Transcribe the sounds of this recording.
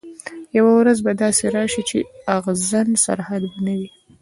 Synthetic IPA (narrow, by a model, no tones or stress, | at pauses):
jawawɾazbad̪ɑseɾɑʃit͡ʃeaɣzansa̰ɾhad̪banawi